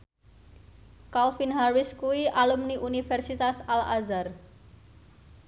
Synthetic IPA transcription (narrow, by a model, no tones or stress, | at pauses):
kalfinɦarwɪskuwiʔalumniʔunifɛrsit̪asalazar